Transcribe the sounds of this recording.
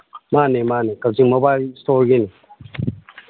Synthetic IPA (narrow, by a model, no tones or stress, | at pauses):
manemanekap̚ziŋmobalstoɾɡini